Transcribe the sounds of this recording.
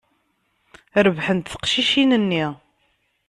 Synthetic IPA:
ɾəvħənt̪θə̥qʃiʃinənːi

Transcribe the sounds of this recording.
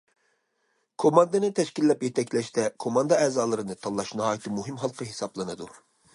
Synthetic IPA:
kʰomɑnd̪ɨnɨt̪ʰɛʃkʲilːɛpjɛt̪ʰɛkʰʲlɛʃt̪ɛkʰomɑnd̪ɨɛːzɑːlˠɨɾɨnɨt̪ʰɑlˠːɑʃnɨɦɑːjit̪ʰɨmuɦimɦɑlˠqʰəɦesɑblˠɨnɨd̪u

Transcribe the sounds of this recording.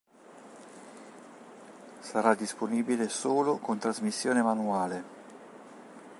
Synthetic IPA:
saɾad̪ːisponiːbilesoːlokont̪ɾazmisːjoːnemanuaːle

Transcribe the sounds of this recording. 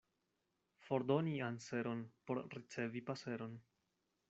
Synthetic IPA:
fo̞ɾdonianse̞ɾo̞npo̞ɾɾit͡se̞vipase̞ɾo̞n

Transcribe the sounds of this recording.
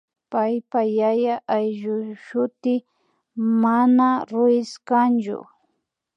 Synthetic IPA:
pajpajajaʔajʒʊʃʊt̪ɪ | manaɾʊɪskant͡ʃʊ̰

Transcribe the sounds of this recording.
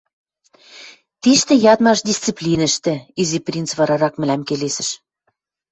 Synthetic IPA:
t̪iʃt̪ɘ̆jɑt̪mɑʃd̪ʲist͡siplʲinɘ̆ʃt̪ɘ̆iziprʲint͡sβɑɾɑɾɑkmɘ̆læmkelesɘ̆ʃ

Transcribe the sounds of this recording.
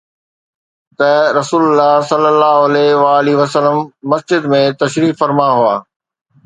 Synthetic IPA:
t̪ɐɾɐsuːlʊlːaːɦsɐlːəlːaːɦoɐlɛʋaːliʋɐsəlːəmːɐsd͡ʑɪd̪mẽt̪ɐʃɾiːffɐɾmaɦuaː

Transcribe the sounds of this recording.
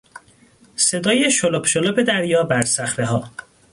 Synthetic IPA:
se̞d̪ɒːjeʃolopʰʃolope̞d̪æɾjɒːbæɾsæxɾeɦɒː

